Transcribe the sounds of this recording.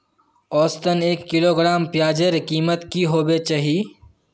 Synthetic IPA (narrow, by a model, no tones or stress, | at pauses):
ɔːst̪əneːkːɪloːɡɾaːmpjaːd͡ʒəɾkiːmət̪kiɦoːbet͡ʃaːɦiː